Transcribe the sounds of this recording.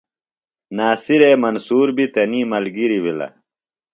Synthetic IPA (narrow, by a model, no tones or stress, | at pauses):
naːsiɾeːmɐnsuːɾbit̪ɐniːmɐlɡiɾibilɐ̰